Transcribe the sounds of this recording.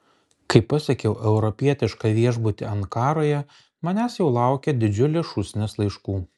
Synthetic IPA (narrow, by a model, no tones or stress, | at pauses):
kɐɪpːɐsʲɐkʲɛʊʔɛʊɾɔpʲiɛt̪ʲɪʃkɑʋʲiɛʒbʊt̪ʲɪɐŋkɑːɾoːjɛ | mɐnʲæːsjɛʊlˠɑˑʊkʲɛd̪ʲɪd͡ʒʲʊlʲeʃʊsʲnʲɪslˠɐɪʃkuː